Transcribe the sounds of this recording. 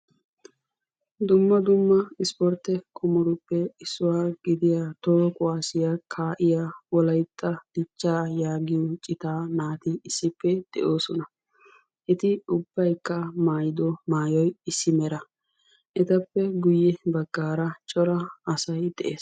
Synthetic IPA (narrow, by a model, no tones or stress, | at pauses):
d̪ʊmːɐd̪ʊmːɐɪspɔɾt̪ɛkʰʼʊmɔɾʊpːɛɪsːʊwaːɡɪd̪ɪjat̪oːkʼʊaːsɪjakʰaːʔɪjawɔlɐjt̪ʼːɐd̪̥ɪt͡ʃːaːjaːɡɪjɔt͡ʃʼɪt̪aːnaːt̪ɪɪsːɪpːɛd̪̥ɛ̰ʔo̞ːsɔnɐ | ʔɛt̪ɪʊbːɐjkːɐmaːjɪd̪ɔmaːjɔjɪsːɪmɛɾɐ | ʔɛt̪ɐpːɛɡʊjːɛbɐɡːaːɾɐt͡ʃʼɔɾɐːsɐjd̪̥ɛʔeːs